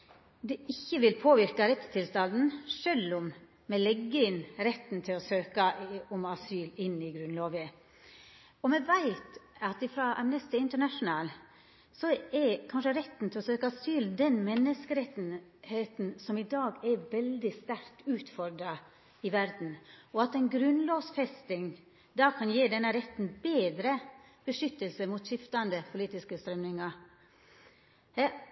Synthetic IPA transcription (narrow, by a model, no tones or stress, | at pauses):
d̪ɛɪçːəʋɪlpʰoːʋɪɾkɑɾɛt̪st̪ʰɪlst̪ɑnd̪n̩ʂœlːɔm | mɛlɛɡːəɪnɾɛt̪ːn̩t̪ʰɪlɔsøːkɑɔmɑsyːlɪnːɪɡɾʉnloːʋə | ɔmɛʋæɪt̪ɑt̪ɪfɾɑːʔæ̰mnɛst̪ɪɪnt̪əɳæʂʊnɑːl | sɔɛɾkʰɑnʂəɾɛt̪ːn̩t̪ʰɪlɔsøːkəɑsyːld̪ɛnmɛnːəskəɾɛt̪heːt̪n̩sɔmɪd̪ɑːɡɛʋɛld̪ɪst̪æɾt̪ʉːt̪fɔɾd̪ɾɑ | ɪʋæɾd̪n̩ɔɑt̪ɛɪnɡɾʉnloːsfɛst̪ɪŋ | d̪ɑːkʰɑnjeːd̪ɛnːəɾɛt̪ːn̩beːd̪ɾə | b̥əʂʏt̪ːəlsəmuːt̪ʃɪft̪ɑnd̪əpʰʊliːt̪ɪskəst̪ɾœmnɪŋɑ | h